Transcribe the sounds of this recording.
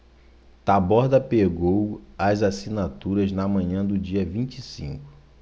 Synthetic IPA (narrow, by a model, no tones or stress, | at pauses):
t̪abɔɾd̪ɐpeɡowɐzasinat̪uɾɐznɐmɐ̃ɲɐ̃d̪ʊd͡ʒiɐvĩt͡ʃisḭ̃ŋkʊ̥